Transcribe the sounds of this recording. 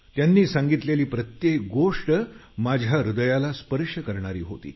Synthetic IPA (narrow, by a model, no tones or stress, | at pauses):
t̪janːiːsãŋɡit̪leliːpɾət̪jek̚ɡoʂʈə | mad͡ʑʱjaɾud̪əjalaspəɾʂjəkəɾɳ̃aɾiːɦo̰t̪ḭː